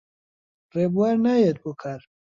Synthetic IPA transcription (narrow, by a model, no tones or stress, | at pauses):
rebuwaɾnajet̪̚bukʰaɾ